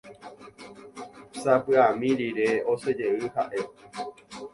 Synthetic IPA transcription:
sapɨamĩɾiɾe̞ose̞d͡ʒe̞ɨha̰ʔe̞

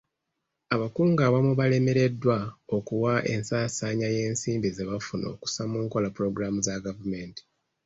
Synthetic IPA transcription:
aβakuːŋɡaːβamuβale̞me̞ɾe̞dːwaokuwaʔe̞̰nsaːsaːɲaje̞ːnsiːmbizeβafuno̞̰ːku̥samuːŋko̞lapuɾo̞ɡuɾamuzaɡavume̞ːnti̥

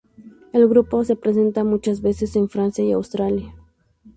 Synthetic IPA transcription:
elɣɾupo̞se̞pɾes̬e̞nt̪amut͡ʃazβe̞se̞se̞ɱfɾansjaiawst̪ɾalja

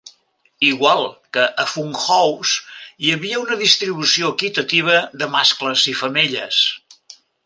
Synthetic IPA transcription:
iɣwalˠkəʔəfuŋxɔwsiəβiəunəðist̪ɾiβ̞usioəkit̪ət̪iβ̞əðəmaskləzifəmeʎəs

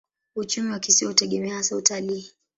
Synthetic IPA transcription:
ut͡ʃumiwakisiɔhutɛɠɛmɛahasautaliː

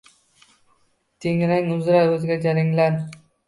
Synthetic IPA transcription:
t̪eŋɾaŋʊzɾaɵzɡʲad͡ʒaɾɪŋlan

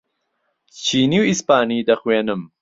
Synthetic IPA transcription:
t͡ʃʰiːniwispaːniːd̪ɐxweːnɨm

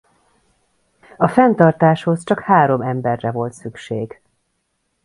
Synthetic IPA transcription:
ɒfɛnt̪ɒrt̪aːʃho̞st͡ʃɒkhaːɾo̞mɛmbɛrːɛvo̞lt̪sykʃeːɡ

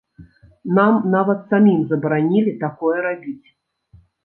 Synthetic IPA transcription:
namnavɐt̪samʲimzɐbɾanʲilʲit̪akɔjɛɾabʲit͡sʲ

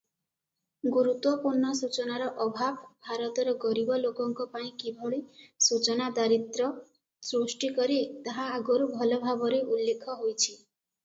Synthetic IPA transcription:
ɡuɾut̪wɔpuɾɳɔsut͡ʃɔnaɾɔʔɔbʱabbʱaɾɔt̪ɔɾɔɡɔɾibɔlokɔŋkɔpaĩkibʱɔɭisut͡ʃɔnad̪aɾit̪ɾɔ | sɾusʈikɔɾit̪aɦaaɡɔɾubʱɔlɔbʱabɔɾeʔulːekʰɔɦojt͡ʃʰi

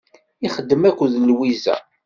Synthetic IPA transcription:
iχəd̪ːəmækʷːðlwizæ̰

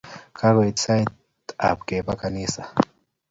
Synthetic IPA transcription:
kʰaɾwetsajt | a̰p̚kepakanisa

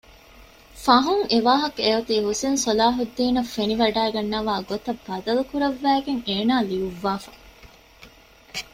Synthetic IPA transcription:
fɐɦuŋeʋaːɦɐkeut̪iːɦusinsolaːɦud̪ːiːnɐfːeniʋɐɖæːɡɐnːɐʋaːɡot̪ɐb̥ːɐd̪ɐlukuɾɐʋːæːɡeŋeːnaːliuʋːaːfɐ

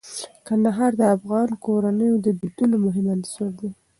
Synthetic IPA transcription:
kand̪aɦɑɾd̪əafɣɑnkoɾanəjod̪əbid̪ulomʊɦɪmaniswaɾd̪i

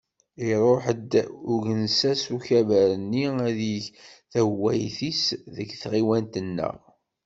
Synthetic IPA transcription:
iɾˤoħəd̪uʝənsæsuçævæɾənːiæðiçθæwæjθisðəɡθʁiwænt̪ənːə̰ʁ

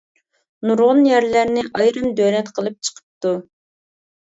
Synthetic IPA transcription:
nuɾʁʊnjæɾlæɾnɪʔɑjɾɨmd̪ølɛt̪qʰəlˠɨp̚t͡ʃʰə̥qʰə̥p̚t̪u

